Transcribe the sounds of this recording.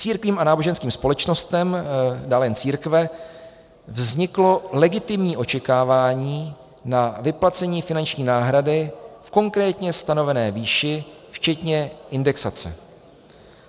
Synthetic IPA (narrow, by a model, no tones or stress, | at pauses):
t͡siːɾkviːmanaːbo̞ʒɛnskiːmspo̞lɛt͡ʃno̞st̪ɛmdaːlɛɛnt͡siːɾkvɛ | vzɲɪklo̞lɛɡɪt̪ɪmɲiːʔo̞t͡ʃɛkaːvaːɲiː | navɪplat͡sɛɲiːfɪnant͡ʃɲiːnaːɦɾadɪfko̞ŋkɾɛːt̪ɲɛst̪ano̞vɛnɛːviːʃɪ | ft͡ʃɛt̪ɲɛʔɪndɛksat͡sɛ̰